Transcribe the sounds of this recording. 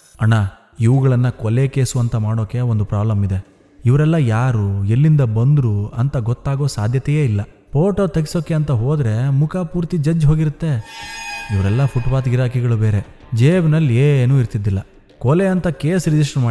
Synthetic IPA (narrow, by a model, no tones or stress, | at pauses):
ɐɳa | iʋuɡɐɭɐnːɐkɔlekeːsuʋɐnt̪ɐmaːɽo̞ːke̞ond̪upɾaːblɐmid̪e̞ | iʋɐɾɛlːɐjaːɾuelːind̪ɐbɐnd̪ɾuɐnt̪ɐɡɔt̪ːaːɡo̞ːsaːd̪ʱjɐt̪ɛjeːilːɐ | pʰoːʈoːt̪ɐɡiso̞ːkːe̞ɐnt̪ɐɦoːd̪ɾe̞mukʰapuːɾt̪id͡ʒɐd͡ʒɦo̞ːɡiɾut̪ːe̞ | iʋɐɾɛlːɐpʰuʈʋaːt̪iɾaːkʰiɡɐɭubeːɾe̞ | d͡ʒeːʋnɐlːenuːiɾt̪id̪ːilːɐ | kɔleɐnt̪ɐkeːsɾid͡ʒiʂʈmaː